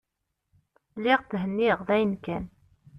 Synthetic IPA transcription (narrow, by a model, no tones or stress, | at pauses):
lːɪʁθɦənːiʁðæjənkæn